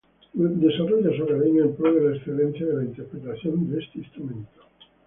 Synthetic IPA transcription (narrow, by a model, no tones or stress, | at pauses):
d̪esarɔʎasoɾaleɲaempɾɔðelaesθelenθjaðelaint̪eɾpɾet̪aθjond̪eest̪eist̪ɾumẽnt̪o̥